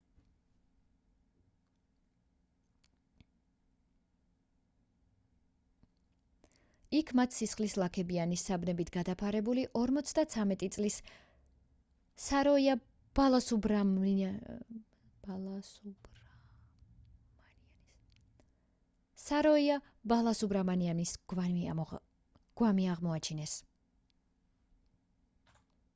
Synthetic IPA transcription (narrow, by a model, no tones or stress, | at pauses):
ikʰmat̪ʰsisχlislˠakʰɛbianisːabnɛbit̪ʰɡad̪apʰaɾɛbuliʔɔɾmɔt̪sʰd̪at̪sʰamɛt̪ʼit̪sʼlis | aɾɔia | b̥alˠasub | u | saɾɔia | balˠasubɾamanianisɡa | ɡ̥wamiaʁmɔat͡ʃʰinɛs